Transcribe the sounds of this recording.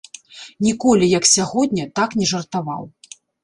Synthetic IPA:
nʲikɔlʲijɐksʲaɣɔd̪ʲnʲɐt̪aknʲɛʐɐrt̪ava̰w

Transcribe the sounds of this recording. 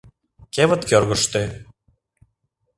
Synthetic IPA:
kevə̆t̪kørɣə̆ʃt̪e

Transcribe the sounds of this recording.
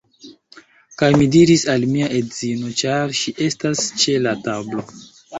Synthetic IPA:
kajmidiɾisalmiaʔedz̥ino̞t͡ʃaɾʃiʔe̞stast͡ʃe̞latablo̞

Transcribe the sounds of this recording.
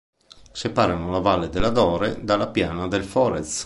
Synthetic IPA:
sepaːɾanolavalːed̪elːad̪ɔːɾed̪alːapjaːnad̪elfɔːɾes

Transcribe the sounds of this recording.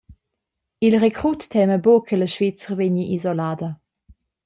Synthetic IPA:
ilʁekʁutːʰɛməbokʰələʃvit͡sʁveɲiʔizɔlaːdə

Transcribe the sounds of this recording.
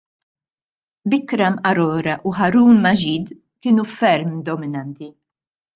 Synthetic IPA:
bɪkɾɐmʔɐɾɔːɾɐʔuħɐɾuːnːɐd͡ʒiːd̪ | kɪːnufɛɾmd̪ɔmɪnɐnt̪i

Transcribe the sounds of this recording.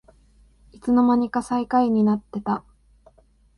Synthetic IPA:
it͡sɨno̞maɲ̟ikasaikaiɲ̟inat̪ːe̞t̪a

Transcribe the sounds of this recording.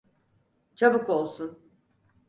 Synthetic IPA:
t͡ʃʰabɯko̞lˠsun

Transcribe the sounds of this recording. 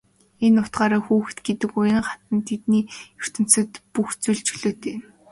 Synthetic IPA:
enːʊt̪ɢaːɾaːxuːx̆t̪ɡet̪ɘ̆kʊjə̆ɴχat̪ə̆nt̪ʰet̪niːjɵr̥t̪ɘ̆n̥t͡sɘ̆t̪puxt͡suɮt͡ɕɵɮoːt̪ʰeːm

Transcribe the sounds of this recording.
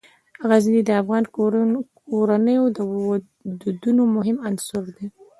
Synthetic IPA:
haɣazid̪id̪əafɣɑnkoɾanəjod̪əw | d̪ud̪unomʊɦɪmansʊɾd̪e

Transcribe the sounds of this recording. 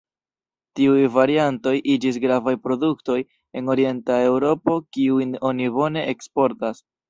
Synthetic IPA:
tiujvaɾianto̞jʔid͡ʒis̬ɡɾavajpɾo̞dukto̞j | e̞no̞ɾie̞ntae̞wɾo̞po̞kiujno̞nibo̞ne̞ʔekspo̞ɾtas

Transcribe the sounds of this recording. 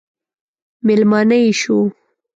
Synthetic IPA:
mɪlmɑnəjʃu

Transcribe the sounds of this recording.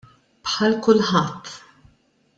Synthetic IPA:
pħɐlkʊlħɐt̪ː

